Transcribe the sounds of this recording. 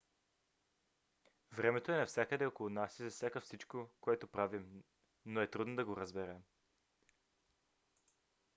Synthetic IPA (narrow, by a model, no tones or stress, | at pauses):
vɾɛmɛt̪oɛnɐfsʲjakəd̪ɛokolˠonasizɐfsjakəfsit͡ʃkokoɛt̪opɾavim | noɛt̪ɾud̪nod̪ɐɡoɾəzbɛɾɛm